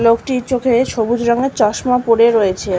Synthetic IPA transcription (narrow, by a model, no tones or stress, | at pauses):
lokʈit͡ɕokʰeʃobud͡ʑɾɔŋet͡ɕɔʃmapoɽeɾojet͡ɕʰe